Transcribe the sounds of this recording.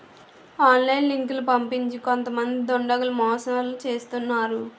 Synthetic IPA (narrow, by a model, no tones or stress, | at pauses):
aːnlɐjnliŋklupɐmpiɲt͡ʃiko̞nt̪ɐmɐnd̪id̪oɳɖɐɡɐlumɔːsɐnɐlut͡ʃe̞ːst̪unːaːɾu